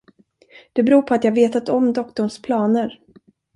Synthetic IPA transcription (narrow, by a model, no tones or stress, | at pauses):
d̪̥ɛbɾuːɾpʰɔat̪jɑːɡveːt̪at̪ɔmd̪ɔkt̪ɔɳʂpʰlɑːnəɾ